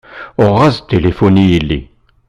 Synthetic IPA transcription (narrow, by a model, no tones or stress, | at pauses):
ɔʁazt̪elefɔnile